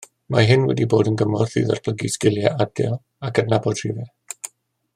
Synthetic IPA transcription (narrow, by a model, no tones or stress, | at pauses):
maɦɪnwɛ̰diboːdənɡəmɔrθḭːðɔ̰rpʰləɡiskɪlˠjɛʔadɛ̰lˠ | akʰədnabɔd̥r̥ivɛ